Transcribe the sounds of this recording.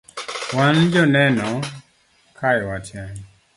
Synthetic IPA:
wand͡ʒɔnɛnɔ | kʰajwataɲ

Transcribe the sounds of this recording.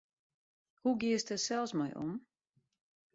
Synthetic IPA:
huɡɪəstəsɛlˠsmɔ̰jʔɔ̰m

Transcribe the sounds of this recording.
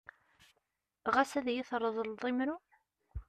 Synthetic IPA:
ʁæsæðjɪθɾˤːəðˤəlðˤimɾu

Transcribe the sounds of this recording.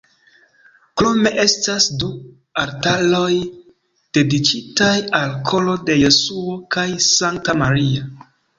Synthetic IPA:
kɾome̞ʔe̞stasdu | aɾtalo̞j | d̥e̞dikitajalkʰo̞lo̞de̞jo̞suokajsaŋk̚tamaɾia

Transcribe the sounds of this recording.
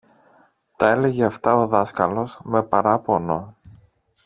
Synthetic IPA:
t̪ɐe̞le̞ʝeɐft̪ɐo̞ðɐskɐlo̞zme̞pɐɾɐpo̞no̞

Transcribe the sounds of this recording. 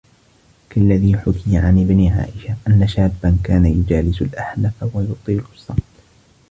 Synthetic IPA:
kalːaðiːħʊkɪjaʕanʔɪbniːʕa̰ːʔɪʃaʔanːaʃaːbːankaːnajʊd͡ʒaːlɪsʊlʔaħlafwajʊt̪ˤiːlʊsˤːɑmt̪ˤ

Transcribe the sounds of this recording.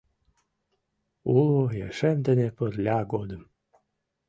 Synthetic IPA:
ulojḛʃemd̪enepərlʲɑɡod̪əm

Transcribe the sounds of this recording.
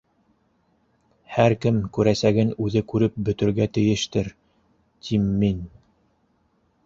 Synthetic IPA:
hæɾkɘmkʉɾæsæɡɘnʉðɘkʉɾɘp̚bɵ̆t̪ɵ̆ɾɡæt̪ɘ̆jɘ̆ʃt̪ɘɾ | t̪ʰimːin

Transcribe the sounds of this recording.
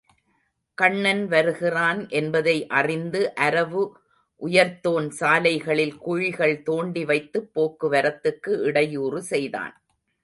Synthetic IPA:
kɐɳːɐnʋɐɾɯɣɪraːnʔɛnbɐðɐɪʔɐrɪnd̪ɯʔɐɾɐʋɯ | ʔʊjɐɾt̪oːnsaːlɐɪɣɐɭɪlkʊɻɪɣɐɭt̪oːɳɖiʋɐɪt̪ːɯpːoːkːɯʋɐɾɐt̪ːɯkːɯʔɪɽɐjuːrɯsɛjða̰ːn

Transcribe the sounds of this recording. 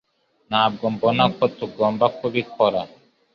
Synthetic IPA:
nab̚ɡɔmbɔnakʰːɔt̪ːuɡɔmbakʰːubikʰɔɾa

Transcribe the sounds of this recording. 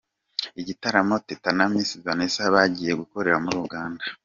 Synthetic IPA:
iɟitaɾamo̞tetanamiːnsizanesaβaɟiːje̞ɡuko̞ɾe̞ɾamuɾuɡaːnda

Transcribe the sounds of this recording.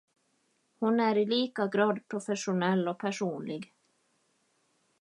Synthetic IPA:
hʊnæɾɪliːkaɡɾɑːd̪pʰɾʊfɛʂʊnɛlːɔpʰæʂuːnlɪɡ

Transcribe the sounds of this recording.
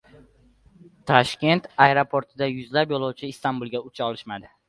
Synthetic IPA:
t̪ʰaʃkʲe̞nt̪aeɾopʰoɾt̪ʰɪd̪ajʊzlapjɒlˠɒwt͡ʃʰɪːst̪ʰanbulˠɡʲaʊt͡ʃʰaɒlˠɪʃmad̪ɪ

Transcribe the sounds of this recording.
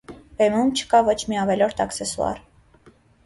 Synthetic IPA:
v̥ɛmumt͡ʃʰə̥kɑvɔt͡ʃʰmiɑvɛlɔɾt̪ʰɑksɛsuɑ̰ɾ

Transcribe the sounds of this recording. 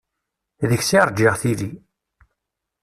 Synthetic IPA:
ðəçsiɾˤd͡ʒiʁθili

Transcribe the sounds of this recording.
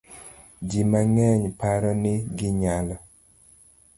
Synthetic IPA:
d͡ʒimaŋɛɲpaɾɔnɪɡɪɲalɔ

